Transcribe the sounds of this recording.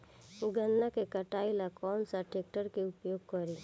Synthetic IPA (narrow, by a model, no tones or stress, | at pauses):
ʊɡənːakekəʈaːilakɔːnsaʈeːk̚ʈəɾkeʊpjoːɡ̚kəɾi